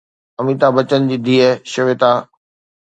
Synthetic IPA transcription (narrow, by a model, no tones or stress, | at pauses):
ɐmit̪abɐt͡ɕənd͡ʑiːd̪ʱiːeʃʊʋet̪aː